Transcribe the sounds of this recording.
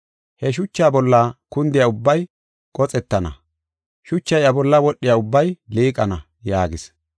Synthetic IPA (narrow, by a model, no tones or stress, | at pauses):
hɛʃ̬ʊt͡ʃːaːbɔlːɐkʊnd̪ɪjaʊbːɐj | kʼɔt͡sʼɛt̪ːɐnɐ̰ | ʃʊt͡ʃːɐjɐbɔlːɐwɔɗːɪjaʊbːɐjliːkʼɐnɐ | jaːɡɪs